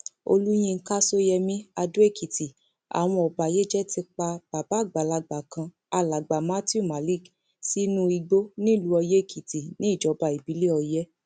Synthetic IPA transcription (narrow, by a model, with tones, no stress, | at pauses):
o̰˧lu˦j̃ĩ˧ŋ̩˦ka˦so˦jɛ˧mĩ˦a˧du˦e˦˨kʰi˨ti˨ | a̰˨w̃ɔ̃˧ɔ˨ba˨je˦d͡ʒɛ˦ti˧k͡pa˧b̥a˨ba˨˦˨ɡ͡ba˨la˧ɡ͡ba˨kã˧ | a˧la˨ɡ͡ba˨ma˦ti˦u˦˨ma˨li˦˨k | si˦nũ˧i˧ɡ͡bo˦nĩ˦˨lu˦ɔ˧je˦e˦˨kʰi˨ti˨nĩ˨˦˨d͡ʒɔ˨˦ba˧i˨bi˨˦le˦ɔ˧jɛ˦